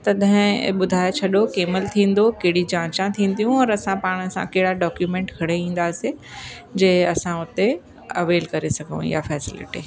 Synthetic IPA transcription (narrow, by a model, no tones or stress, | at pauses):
t̪ɐd̪ɪ̃ɓʊd̪ʱaːet͡ɕʰɐɗokeːmɪlt̪ʰĩːn̆d̪okɐɦɪɽid͡ʑãːt͡ɕãt̪ʰĩːn̆d̪ijũɔːɾɐsãpaːɽ̃əsã̰kɐɦɪɽaɖɔːkjumẽːɳʈkʰɐɽeĩːn̆d̪asi | d͡ʑeɦɐsãʊt̪e | ɐʋeːlkɐɾesɐɡʱə̃ja̰fɛːsɪlɪ̰ʈḭː